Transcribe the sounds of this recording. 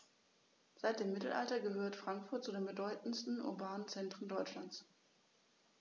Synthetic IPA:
z̥aɪt̚d̥eːmːɪtl̩ʔa̰ltɐɡəhøːɐtfʁ̥aŋkfʊɐt̚t͡sudeːnbədɔʏtn̩stn̩ʔʊ̰ɐbaːnənt͡sɛntʁ̥əndɔʏt͡ʃlant͡s

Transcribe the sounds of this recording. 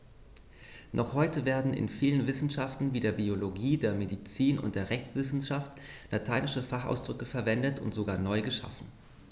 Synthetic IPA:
nʔɔχhɔʏtəveːɐdn̩ɪ̰nfiːlənvɪsn̩ʃaftn̩viːdeːɐbioloɡiːdeːɐmedit͡siːnʊ̰nt̚d̥eːɐʁɛçt͡sv̥ɪsn̩ʃaftlatʰaɪnɪʃəfaχa̰ʊsd̥ʁʏkəfɛɐvɛndətʊ̰ntz̥oɡaːɐnɔʏɡəʃa̰fn̩

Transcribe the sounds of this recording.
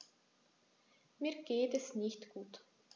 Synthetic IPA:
miːrɡ̥eːt̪ɛsniçt̪ɡ̥uːt̪

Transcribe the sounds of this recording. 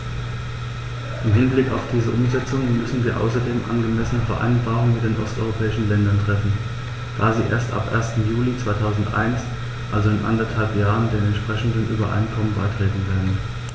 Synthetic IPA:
ʔɪmɦɪnblɪkaʊfd̥iːzəʔʊmzɛt͡sʊŋmʏsn̩viːɐʔa̰ʊsɐdeːmʔa̰nɡəmɛsənəfɛɐʔa̰ɪnbaːʁʊŋənmɪt̚d̥eːnʔɔ̰stʔɔ̰ʏʁopʰɛːɪʃn̩lɛndɐntʁ̥ɛfn̩ | d̥aːziːʔḛːɐstʔa̰pʔḛːɐstn̩juːlit͡sv̥aɪtʰaʊzn̩tʔa̰ɪns | ʔalzoɪnʔa̰ndɐthalpjaːʁəndeːnɛntʃpʁ̥ɛçn̩dənʔyːbɐʔa̰ɪnkʰɔmənba̰ɪtʁ̥eːtn̩veːɐdn̩

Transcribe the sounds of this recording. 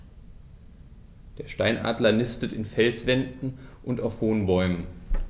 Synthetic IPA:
d̥eːɐʃtaɪnʔa̰ːdlɐnɪstətɪnfɛlsv̥ɛndn̩ʔʊntaʊfhoːnbɔʏmən

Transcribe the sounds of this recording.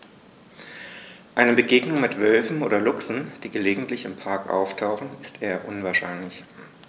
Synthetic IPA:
ʔaɪnəbəɡeːɡnʊŋmɪtv̥œlfm̩ʔoːdɐlʊksn̩d̥iːɡəleːɡŋ̩tʰlɪçɪmpʰaɐkʔa̰ʊftʰaʊχn̩ɪstʰeːɐʔʊnvaːɐʃaɪnlɪç

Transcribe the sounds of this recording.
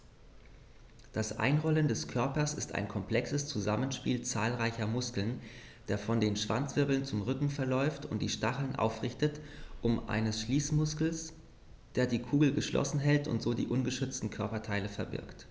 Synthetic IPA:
d̥asʔa̰ɪnʁɔləndɛskʰœɐpɐsɪsta̰ɪnkʰɔmpl̥ɛksəst͡suzamənʃpiːlt͡saːlʁaɪçɐmʊskl̩n | d̥eːɐfɔndeːnʃv̥a̰nt͡sv̥ɪɐbl̩nt͡sʊmʁʏkŋ̩fɛɐlɔʏftʊ̰nt̚d̥iːʃtaχl̩nʔa̰ʊfʁɪçtətʔʊmʔa̰ɪnəsʃliːsmʊskl̩s | d̥eːɐdiːkʰuːɡl̩ɡəʃlʔɔ̰sn̩ɦɛltʊ̰ntz̥oːdḭːʔʊnɡəʃʏt͡stn̩kʰœɐpɐtʰaɪləfɛɐbɪ̰ɐkt

